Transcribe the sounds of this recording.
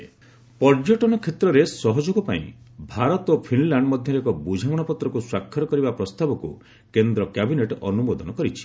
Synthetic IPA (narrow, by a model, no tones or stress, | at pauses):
pɔɾd͡ʒɔʈɔnɔkʰːet̪ɾɔɾesɔɦɔd͡ʒoɡɔpa̰ḭ̃ | bʱaɾɔt̪opʰinlaɳɖmɔd̪ʱjɔɾekɔbud͡ʒʱamɔɽ̃ɔpɔt̪ɾɔkuswakʰːɔɾɔkɔɾibapɾɔst̪abɔkṵ | kend̪ɾɔkabineʈɔnubod̪ɔnɔkɔɾit͡ʃʰi̥